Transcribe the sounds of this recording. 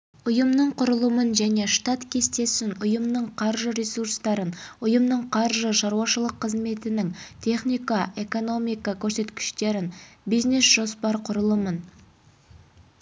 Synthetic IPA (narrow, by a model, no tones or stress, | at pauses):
ʊjəmnəɴqʰʊɾəlˠəmənʒæne̞ʃt̪ɑt̪kʲʰe̞st̪e̞sɪnʊjəmnəɴqʰɑɾʒəɾʲesuɾst̪ɑɾənʊjəmnəɴqʰɑɾʒəʃɑɾuwɑʃəlˠəqʰːəzme̞t̪ɪnɪŋt̪ʲʰe̞χnijkɑe̞ko̞no̞mijkɑkʲʰɵɾse̞t̪kʲɪ̥ʃt̪e̞ɾɪnbizne̞sʒ̥o̞spɑɾqʰʊɾəlˠəmən